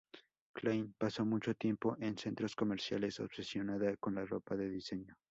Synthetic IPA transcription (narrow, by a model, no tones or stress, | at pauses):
klajnpaso̞mut͡ʃo̞t̪je̞mpo̞ʔe̞nse̞nt̪ɾo̞sko̞me̞ɾsja̰le̞so̞̰β̥se̞sjo̞naðako̞nlaro̞̰paðe̞ðise̞ɲo